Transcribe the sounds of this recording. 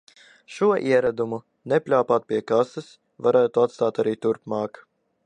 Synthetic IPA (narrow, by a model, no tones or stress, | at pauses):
ʃuɔʔiɛɾad̪umu | nɛpʲlʲaːpaːt̪̚pʲiɛkasɨs | vaɾaːt̪uat̪st̪aːt̪aɾiːt̪uɾpmɑːk